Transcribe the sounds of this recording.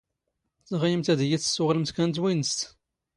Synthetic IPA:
t͡səʁjəmt̪æðjiθə̥sːʊʁləmt̪kænt̪̬winəst̪

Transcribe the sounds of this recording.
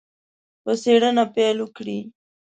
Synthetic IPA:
pəseɽənapelukɽi

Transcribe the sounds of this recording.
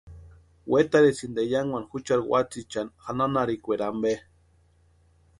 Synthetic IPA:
wet̪aɾesind̪ejaŋwʷanxut͡ʃaɾwʷa̰t͡sit͡ʃanxananaɾikʷeɾambe

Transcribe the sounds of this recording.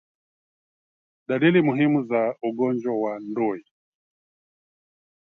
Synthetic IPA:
ɗalilimuɦimuzauɡɔnd͡ʒwawandɔi

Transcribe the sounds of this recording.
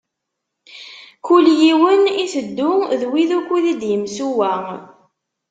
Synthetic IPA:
kʊljiwəniθəd̪ːʊðwiðukʷːuðid̪jəmsuwæ

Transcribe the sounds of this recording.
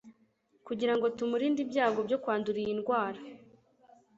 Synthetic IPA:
kuɟiɾaŋɡo̞tumuɾiːndibɟaːɡo̞bjo̞kwaːnduɾijinɡwaːɾa

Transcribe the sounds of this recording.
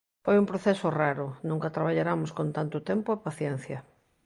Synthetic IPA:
fojumpɾoθesʊraɾʊnũŋkɐt̪ɾaβaʎaɾamʊskont̪ant̪ʊt̪empʊepaθjɛn̟θjɐ

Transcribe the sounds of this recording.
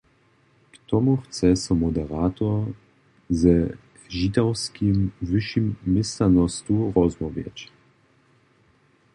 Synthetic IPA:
kt̪ɔmuxt͡sɛsɔmɔd̪ɛɾaːt̪ɔ | zə | ʒit̪awskʰimvəʃimːɪstanɔst̪uɾɔzmɔvjɛ̰t͡ɕ

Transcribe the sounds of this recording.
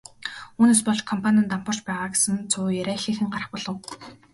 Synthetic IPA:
uːneːs̬pɔɮt͡ɕkʰɔmpʰanʲănt̪am̥pə̆r̥t͡ɕpæːʁaːɡe̥sɘ̆nt͡sʰʊːjæɾʲæːxiːxɘ̆ŋɢarə̥̆χpɔɮɞ̆w

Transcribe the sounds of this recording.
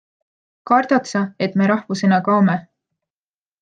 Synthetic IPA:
kɑrd̪̥ɑt̪sɑe̞t̪me̞ɾɑhvuse̞nɑkɑome

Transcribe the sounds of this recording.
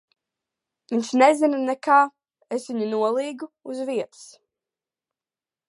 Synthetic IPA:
viɲʲʃnezinnɛkaː | esviɲunuɔlˠiːɡuuzviɛt̪ɨ̥s

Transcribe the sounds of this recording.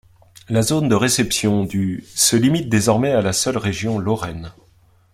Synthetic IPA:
lazond̪əʁesɛpsjɔ̃d̪ysəlimit̪̚d̪ezɔʁmɛalasœlʁeʒjɔ̃lɔʁɛn

